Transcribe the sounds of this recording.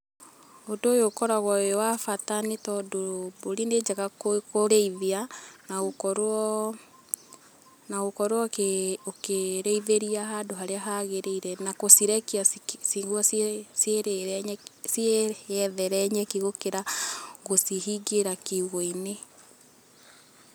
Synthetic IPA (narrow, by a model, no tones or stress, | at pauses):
odoːjokɔɾaɣɔjɔwafatanitɔdoboɾined͡ʒaɣakokoɾeiðianaɣokɔɾɔ | naɣokɔɾwɔokeɾeiðeɾiahadoɦaɾeaɦaɣeɾeiɾɛnakosiɾɛkiasiɣwɔsseɾeɲsjeɛðɛɾɛɲɛkiɣokeɾaɣosiɦiɡeɾakiuɣoine